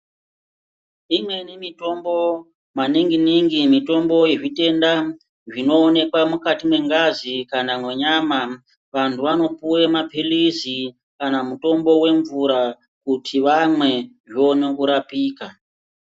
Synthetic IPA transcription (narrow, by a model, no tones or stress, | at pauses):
imwe̞nemito̞mbo̞ | maniŋɡiniŋɡimito̞mbo̞jeʐite̞nda | ʐino̞ːne̞kwamukatimwe̞ŋɡazikanamwe̞ɲama | ʋantʰuʋano̞puwemapʰilizi | kanamuto̞mbo̞we̞ɱvuɾa | kutʰiʋamwe̞ʐionekuɾapiːka